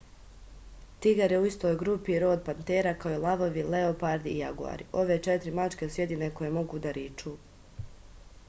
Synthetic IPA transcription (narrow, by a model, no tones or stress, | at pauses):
t̪iɡaɾjeuist̪o̞ːjɡɾupiɾo̞ːd̪̚pant̪eːɾakaoolˠaʋo̞ʋileopaɾd̪ijaɡua̰ɾiʔo̞ʋe̞t͡ʃet̪ɾimat͡ʃke̞sɾjed̪ineko̞je̞mo̞ɡuːd̪aɾiːt͡ʃuː